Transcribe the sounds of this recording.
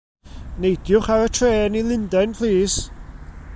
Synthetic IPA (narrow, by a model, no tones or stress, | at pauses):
nejdjʊχaɾətʰreːnilˠɪndɛnpʰlˠiːs